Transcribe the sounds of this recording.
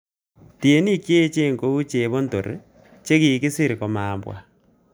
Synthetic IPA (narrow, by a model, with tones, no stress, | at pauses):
ti˨e˨˦ni˦kje˦t͡ʃe˦ŋɡo˦u˦t͡ʃe˨βo˦nto˨ɾ | t͡ʃe˦ki˨kɪ˦sɪ˦ɾkɔ˨maː˨mbwa̰˨